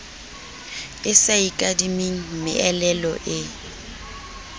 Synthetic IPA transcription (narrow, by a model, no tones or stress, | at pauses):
ɪsaikʼadimeŋ̩mɪ̰ʔɛlɛlɔ̰ʔɪ